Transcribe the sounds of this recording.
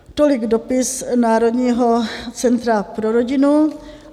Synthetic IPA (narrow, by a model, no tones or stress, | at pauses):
t̪olɪɡdopɪsnaːɾodɲiːɦot͡sɛnt̪ɾapɾoɾoɟɪnu